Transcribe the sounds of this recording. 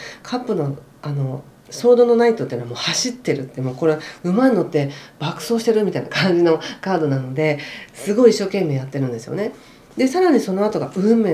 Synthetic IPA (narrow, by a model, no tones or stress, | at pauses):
kʰapːɯ̟no̞ | ano̞ | so̞ːd̪o̞no̞nait̪ot̪eːnamo̞ːhaɕit̪ːe̞ɾɯ̟t̪ːemoːko̞ɾeɯ̟maĩno̞t̪ːe̞b̥akɯ̟̥so̞ːɕi̥t̪e̞ɾɯ̟mʲit̪aina̰kãɲ̟d͡ʑino̞kaːd̪o̞nano̞d̪e̞sɨɡo̞iɕːo̞ːkẽ̞mːe̞ːjat̪ːe̞ɾɯ̟̃nd̪e̞sɨjo̞̰ne̞ | d̪e̞saɾaɲ̟iso̞no̞at̪o̞ɡaɯ̟mːe